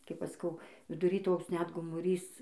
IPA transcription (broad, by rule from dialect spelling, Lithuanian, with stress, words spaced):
ˈkɐɪp ˈɐʃ sɐˈkɐʊ ʋʲɪdʊˈrʲiː ˈtoːks ˈnʲɛt ɡoːmʊˈrʲiːs